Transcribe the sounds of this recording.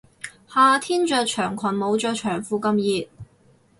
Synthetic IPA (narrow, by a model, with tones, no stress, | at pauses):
haː˨˧t̪ʰiː˥nt͡ʃœː˧k̚t͡ʃʰœː˨˩ŋkʷʰɐ˨˩nmo˨˧wt͡ʃœː˧t͡ʃʰœː˨˩ŋfuː˨˧kɐ˧mjiː˨˧t̚